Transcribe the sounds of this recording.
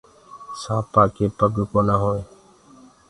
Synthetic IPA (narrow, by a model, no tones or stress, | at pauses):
saːpaːkeːpəɡkoːnaːɦoːẽː